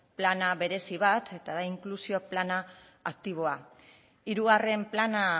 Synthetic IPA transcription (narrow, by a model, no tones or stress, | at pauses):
planaβe̞ɾe̞siβat̪ʰe̞t̪aðaiŋklusio̞planaː | k̚t̪iβ̞o̞a | iɾuɣare̞mplana